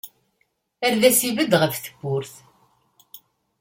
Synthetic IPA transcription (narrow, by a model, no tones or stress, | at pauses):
æɾðæsivəd̪ʁəfθə̥ɡʷːʊɾθ